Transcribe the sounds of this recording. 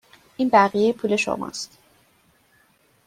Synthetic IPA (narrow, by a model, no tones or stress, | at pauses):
ʔiːnbæʁijejepʰuːle̞ʃo̰mɒ̰ːst̪